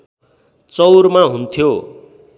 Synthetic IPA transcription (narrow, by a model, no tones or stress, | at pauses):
t͡sʌwrmaɦunt̪ʰjo